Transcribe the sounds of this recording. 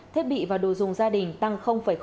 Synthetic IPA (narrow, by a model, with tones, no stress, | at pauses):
t̪ʰi˦˥t̚ɓḭ˧˨vaː˨˩ɗo̰˨˩zʊ˨˩ŋ͡mzaː˧ɗï˨˩ŋ̟t̪a˧ŋxə˧wŋ͡mfaː˧˩jx